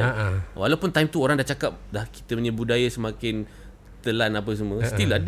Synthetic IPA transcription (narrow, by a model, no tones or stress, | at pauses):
walawpʊnt̪ajmt̪uoɾaŋdat͡ʃakap̚lahki̥t̪əɲə̃budajasəmãkɪn | t̪əlanap̬əs̬əmə̃sət̪ilad